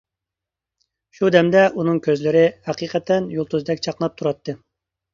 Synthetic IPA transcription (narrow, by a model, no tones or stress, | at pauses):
ʃud̪ɛmd̪ɛʔunɨŋkʲøzlɪɾɪhæqiqʰɛt̪ʰɛnjulˠt̪ʰuzd̪ɛkʲt͡ʃʰɑqnɑp̚t̪ʰuɾɑt̪ʰːɨ